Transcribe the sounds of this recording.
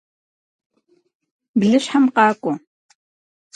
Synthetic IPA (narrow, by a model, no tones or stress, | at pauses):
bɮɨɕħamqɑːkʷʼʊ